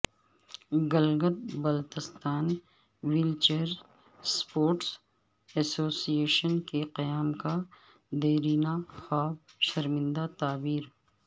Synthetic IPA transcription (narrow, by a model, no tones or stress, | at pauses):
ɡɐlɡət̪̚bɐlt̪ɪst̪aːn | wɪlt͡ʃəɾ | spoːɾʈs | ɛsoːsieːʃənkeqɐjaːmka | d̪eːɾiːnaxaːb̚ʃɐɾmɪ̃nd̪at̪aːbiːɾ